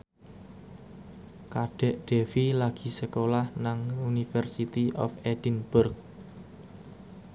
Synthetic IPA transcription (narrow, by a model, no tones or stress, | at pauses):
kaɖ̥ɛ̤ʔɖ̪̥ɛfilaɡ̥i̤səkolahnaŋunifɛrsit̪iʔɔ̰fed̥inbʊrk̚